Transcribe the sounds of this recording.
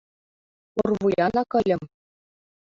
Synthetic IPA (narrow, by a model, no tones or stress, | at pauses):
urʋujɑnɑkɤ̆lʲɘ̆m